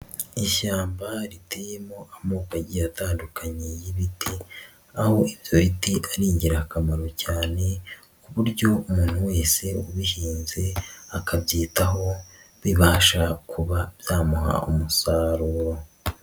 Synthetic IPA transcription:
iʃaːmbaɾitejemo̞ʔamoːkaɟijataːndukaɲejiβitʰi | aho̞iβjo̞ɾitiʔaɾiːɲɟiɾakamaɾo̞caːne̞ | kuβuɾɟo̞umuːn̥huwe̞ːse̞uβihiːnze̞akabjiːtaɦo̞ | βiβaːʃakʰuβabjaːmuha̰omusaːɾuɾo̞

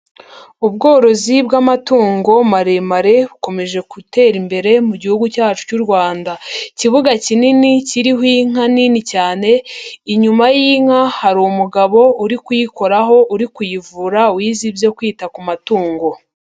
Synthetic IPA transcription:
ubɡo̞ːɾo̞zibɡamatuːŋɡo̞maɾemaɾe̞βuko̞me̞ʒe̞kute̞ːɾimbe̞ɾe̞muɟihuɡucaːt͡ʃu̥cuɾɡwaːndaciβuɡacininiciɾiɦwiŋ̥aninicaːne̞iɲumajiːŋ̥hahaɾumuɡaβo̞uɾikujiko̞ɾaɦo̞ʔuɾikujivuɾauwiːzibjo̞kwiːtakumatuːŋɡo̞

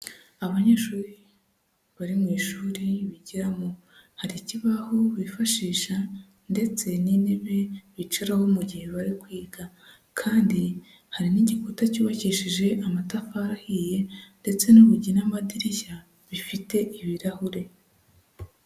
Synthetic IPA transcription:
aβaɲeːʃuːɾi | βaɾimŋiːʃuːɾiβiɟiɾamo | haɾiciβahoβifaʃiːʃa | nde̞t͡se̞nineβe̞βit͡ʃiɾaho̞muɟihe̞βaɾikwiːɡa | kʰaːndi | haɾiniɟikutacuːβaciʃiʒe̞ʔamatafaɾahiːje̞nde̞t͡se̞nuβuɟinamadiɾiʃa | βifite̞ʔiβiɾahuɾe̞

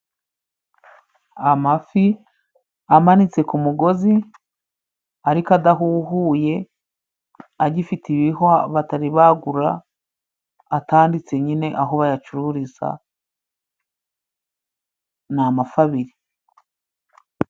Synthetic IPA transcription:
amafi | amanit͡se̞kumuɡo̞zi | aɾikadaɦuhuːje̞ | aɟifitiβihoaβataɾiβaɡuɾa | taːndit͡se̞ɲine̞ʔaɦo̞βajat͡ʃuɾuɾiza̰ | namafaβiɾi

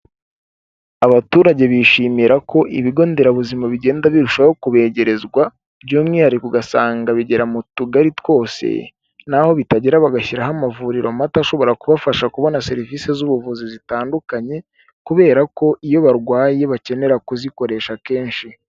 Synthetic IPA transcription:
aβatuːɾaɟe̞βiʃiːmiɾakʰo̞ʔiβiɡo̞ːnde̞ɾaβuzimaβiɟe̞ːndaβiɾuʃahokuβe̞ɟe̞ɾe̞zɡwa | bɟomŋihaɾikuɡasaːŋɡaβiɟe̞ɾamutuɡaɾitwo̞ːsḛ | naho̞βitaɟiɾaβaɡaçiɾaɦamavuɾiɾo̞mataʃo̞βo̞ɾakuβafaʃakuβo̞nase̞ɾivise̞zuβuvuzizitaːndukaɲe̞ | kuβe̞ːɾako̞ʔijo̞βaɾɡwaːje̞βace̞ne̞ɾakuziko̞ɾe̞ːʃake̞ːnʃi

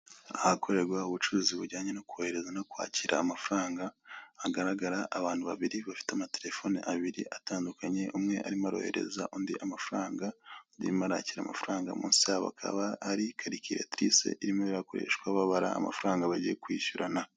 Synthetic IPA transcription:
ahakʰo̞ɾe̞ɾɡwauβut͡ʃuɾuːziβuɟaːɲenokuohe̞ɾe̞zanakwa̰ːciɾʔa̰ːmafuɾaːŋɡaːɡaɾaɡaɾaʔːβaːnhuβaβiɾiβafi̥tamate̞ɾe̞fo̞ːniʔaβiɾiʔataːndukʰaɲe̞ʔumŋe̞ʔa̰ɾimaɾo̞̰he̞̰ɾe̞̰zaʔoːndiʔamafuɾaːŋɡadḭɾimaɾa̰ːciɾa̰ma̰fuɾaːŋɡa̰mṵːnsiaβa̰kʰa̰βaːɾikʰaɾikiɾetɾḭsḛʔiɾimoβiɾako̞ɾḛʃkwaβaβaɾa̰ːma̰fuɾaːŋɡaβaɟijekwiːʃuɾʔana

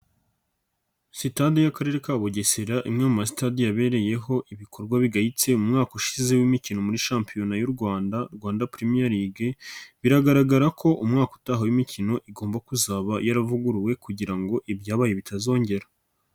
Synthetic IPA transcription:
sitadijakaɾe̞ɾekaβoɟeseɾaʔimɲaːmumas̬i̥tadijaβe̞ɾe̞je̞ɦo̞ʔiβiko̞ɾɡwaβiɡahit͡se̞umŋaːkoʃize̞wimicino̞muɾiʃaːmpijo̞najuɾɡwaːndaɾɡwaːndapɾimijaɾiɡeβiɾaɡaɾaɡaɾakʰo̞ʔumŋaːko̥taɦawimicino̞ʔiɡo̞ːmbakuzaβajaɾavuɡuɾuwe̞kuɟiɾaŋɡo̞ʔibjaːβaje̞βitʰazo̞ːɲɟe̞ɾa

